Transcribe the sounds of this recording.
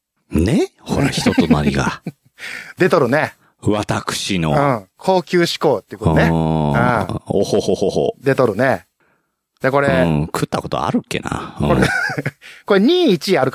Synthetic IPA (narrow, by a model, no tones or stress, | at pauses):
neho̞ɾaaçi̥t̪ot̪onaɾʲɡa̰ | d̪e̞t̪oɾɯ̟ne | βat̪akɯ̟̥ɕinoɯ̃kʰo̞ːkʲɨːɕi̥ko̞ːt̪ːeiɯkoeɯ̃ːohohohoho̰d̪e̞t̪o̞ɾɯ̟ne | d̪eko̞ɾekʰɯ̟t̪ːako̞t̪o̞̰a̰ɾɯ̟kːe̞̰na̰ɯ̰kõɾ | ko̞ɾeɲ̟iːit͡ɕiaɾɯ̟k